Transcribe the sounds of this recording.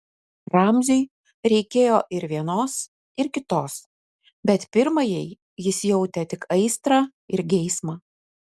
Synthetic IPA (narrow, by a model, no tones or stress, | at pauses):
ɾɑmʲzʲʊɪ | ɾʲɛɪkʲeːjoːʔɪɾʋʲiɛnoːs | ɪɾkʲɪt̪oːs | bʲɛt̪pʲɪɾmɐjɛɪ | jɪsjɛʊt̪ʲɛt̪ʲɪkɐɪst̪ɾɑː | ɪɾɡʲɛɪsmɐ